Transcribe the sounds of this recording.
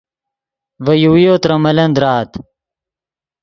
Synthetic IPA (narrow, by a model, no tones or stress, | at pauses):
vɐjuwjoːt̪ɾɐmɐlɐnd̪ɾaːt̪